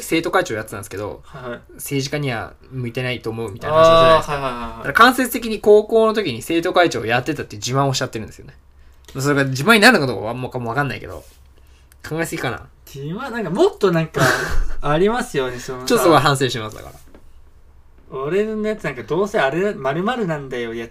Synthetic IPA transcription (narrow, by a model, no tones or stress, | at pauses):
ki̥se̞ːt̪o̞kait͡ɕo̞ːjat͡sɨnã̰nd̪esɨ̥ke̞d̪o̞̰haa | se̞ːʑikaɲ̟iβa̰ | mɯ̟it̪e̞nait̪o̞ːmo̞ɯ̟mʲit̪ainahajhdaakakãɰ̃set͡sɨ̥t̪ek̬ʲiɲ̟iko̞ːko̞ːno̞t̪o̞kʲiɲ̟ise̞ːt̪o̞kait͡ɕo̰ːjat̪ːe̞t̪at̪ːeiɯ̟d͡ʑimãoɕːat̪ːeɾɯ̟nd̪esɨjo̞ne | mas̬o̞ɾeɡad͡ʑimãɲ̟inaɾɯ̟nokad̪oka̰mokamoakãnːaike̞d̪o̰ | kʰãŋɡaesɨɡʲikana̰ | imanãŋkamot̪ːonãŋkaaɾʲimasɨjonesont͡ɕot̪osoaɦãɰ̃s̬e̞ːɕt̪emasɨd̪a̰ka̰ɾa̰ | oɾenet̪nãŋkad̪o̞ːseaɾemaɾɯ̟maɾɯ̟nãnd̪ajoja